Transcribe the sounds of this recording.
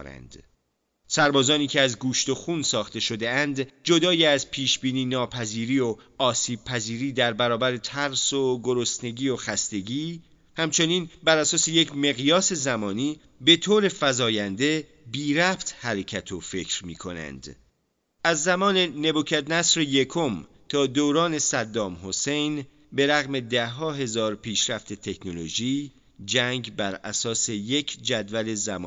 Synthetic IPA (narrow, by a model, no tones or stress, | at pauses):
ɾæ̰nd̪̥ | sæɾbɒːzɒːniːcʰeæzɡuːʃt̪o̞xuːnsɒːxt̪e̞ʃo̞d̪eænd̪d͡ʒo̞d̪ɒːjiæzpʰiːʃbiːniːnɒːpʰæziːɾiːo | ɒːsiːb̥̚pʰæziːɾiːd̪æɾbæɾɒːbæɾe̞t̪ʰæɾsoɡo̞ɾost̪ne̞ɟiːoxæst̪e̞ɟiː | hæmt͡ʃʰe̞niːnbæɾæsɒːse̞jecʰme̞ɣijɒːse̞zæmɒːniː | be̞t̪ʰoːɾe̞fæzɒːjænd̪e̞ | biːɾæbt̪ʰhæɾe̞cʰæt̪ʰofe̞cʰɾmiːkʰo̞næ̰nd̪̥ | ʔæzːæmɒːne̞ne̞buːcʰæd̪næsɾeje̞kʰo̞m | t̪ʰɒːd̪oːɾɒːne̞sæd̪ːɒːmho̞se̞jn | be̞ɾæɣme̞d̪æɦɒːɦe̞zɒːɾpʰiːʃɾæft̪ʰe̞t̪ʰekʰno̞loʒiː | d͡ʒæŋɡbæɾæ̰sɒːse̞je̞cʰd͡ʒæd̪væle̞zæmɒ̰ː